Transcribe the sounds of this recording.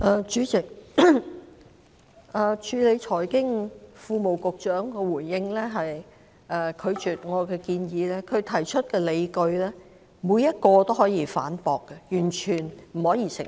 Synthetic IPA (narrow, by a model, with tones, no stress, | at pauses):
ʔɛː˨˧t͡ʃyː˨˥t͡sɪ˨˩k̚ | ʔɛː˨˩t͡ʃʰyː˨˧le˨˧jt͡ʃʰɔː˨˩jkɪ˥ŋfuː˧mo˨˩wkʊ˨k̚t͡ʃœː˨˥ŋkɛː˧wuː˨˩jjɪ˧ŋlɛː˥ɦɐ˨j | ʔɛː˨kʰɵ˨˧ɥt͡ʃyː˨t̚ŋɔː˨˧kɛː˧kiː˧njiː˨˧lɛː˥kʰɵ˨˧ɥt̪ʰɐ˨˩jt͡ʃʰɵ˥t̚kɛː˧le˨˧jkɵ˧ɥlɛː˥ | muː˨˧jːɐ˥t̚kɔː˧t̪o˥whɔː˨˥jiː˧fa̰ː˨˥npɔː˨kːɛ˧jyː˨˩nt͡ʃʰyː˨˩nm̩˨˩hɔː˨˥jiː˧sɪ˨˩